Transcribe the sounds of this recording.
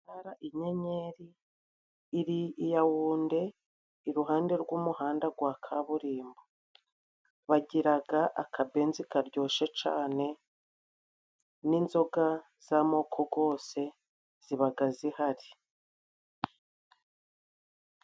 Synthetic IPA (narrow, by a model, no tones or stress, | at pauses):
aɾaʔiɲe̞ɲe̞ɾiː | ɾiijawuːnde̞ | iɾuɦaːnde̞ɾɡwuːmuhaːndaɡwaːkʰaβuɾiːmbo | βaɟiɾaɡaʔa̰kʰabe̞ːnzikaɾɟo̞ːʃe̞t͡ʃa̰ːne̞ | ninzo̞ɡa | z̥amo̞ːkʰoɡo̞ːse̞ | z̥iβaɡazihaɾi